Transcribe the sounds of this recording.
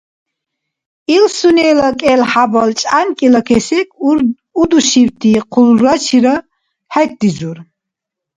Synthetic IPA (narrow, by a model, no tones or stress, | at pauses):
ilsunɛlakʼɛlħabɔlt͡ʃʼa̰nkʼilakʰɛsɛkʰ | ud̪uʃiwt̪ʰiqʰulɾat͡ʃʰiɾə | hɛk̚d̪izuɾ